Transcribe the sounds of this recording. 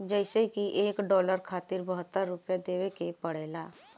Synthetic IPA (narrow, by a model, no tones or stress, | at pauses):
d͡ʒɛɪsekiʔeːkɖɔːləɾkʰaːt̪ɪɾbəɦət̪ːəɾːʊpjad̪eːʋekepəɽ̤eːlaː